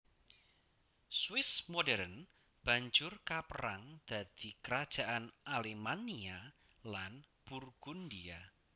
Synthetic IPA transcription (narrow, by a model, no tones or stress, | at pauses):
swɪsmodɛɾən | b̥a̤ɲd͡ʒʊrkapəɾaŋd̪̥a̤d̪̥ikəɾad̥ʒ̥a̤ʔanʔalemania | lanb̥urɡ̥undia